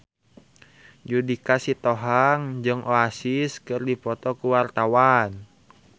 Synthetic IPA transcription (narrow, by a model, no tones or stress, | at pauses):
d͡ʒudikasit̪oɦaŋd͡ʒɨŋʔoasiskɨrdipɔt̪ɔkuwart̪awan